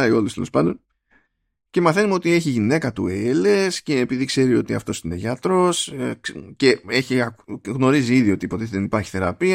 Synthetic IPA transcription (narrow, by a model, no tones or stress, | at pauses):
ɐio̞lust̪elo̞spɐnd̪o̞n | ce̞mɐθe̞numo̞t̪ie̞çiʝine̞kɐt̪ueele̞sceːpiðikse̞ɾio̞t̪iɐ̰ft̪o̞sine̞ʝɐt̪ɾo̞s | ce̞eçiɐɣno̞ɾiziiðio̞t̪ipo̞t̪eðenipɐɾçi̥θe̞ɾɐpiɐ